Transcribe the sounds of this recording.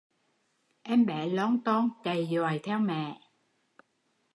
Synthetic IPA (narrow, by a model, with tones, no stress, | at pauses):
ʔɛ˧mɓɛ˧˩lɔ˨˦nt̪o˧nt͡ɕa˨˩jzwaː˨˩jt̪ʰɛ˧wmɛ̰˧˨